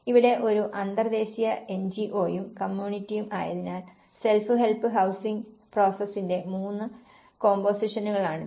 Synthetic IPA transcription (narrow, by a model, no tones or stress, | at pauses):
iʋiɽe̞ʔo̞ɾuʔɐnd̪ɐrd̪e̞ːɕijɐe̞nd͡ʑiʔo̞ːjumkɐmjuːɳitːijumʔa̰ːjɐðinaːl | se̞lfɨɦelpːɨɦɐwsiŋɡpro̞ːsɐsːinde̞muːnːɨ | ko̞ːmbo̞ːsiʂɐnːuɣɐɭaːɳɨ